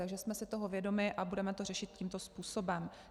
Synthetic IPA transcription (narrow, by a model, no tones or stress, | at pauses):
aɡʒɛsmɛsɪt̪o̞ɦo̞vjɛdo̞mɪʔabudɛmɛt̪o̞rɛʃɪt̪̚ciːmt̪o̞spuːso̞bɛm